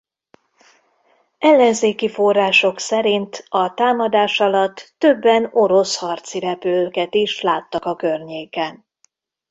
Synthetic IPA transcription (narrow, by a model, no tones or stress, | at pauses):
ɛlːɛnzeːkifo̞rːaːʃo̞ksɛɾint̪ɒt̪aːmɒd̪aːʃɒlɒt̪ːøbːɛno̞ɾo̞shɒrt̪siɾɛpøkɛt̪iʃlaːt̪ːɒkɒkørɲeːkɛn